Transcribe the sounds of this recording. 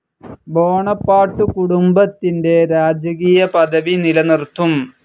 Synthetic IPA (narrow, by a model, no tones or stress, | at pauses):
bo̞ːɳɐpːaːʈːukuɽumbɐt̪ːinde̞ɾaːd͡ʑɐɣiːjɐpɐd̪ɐʋinilɐnirt̪ʰum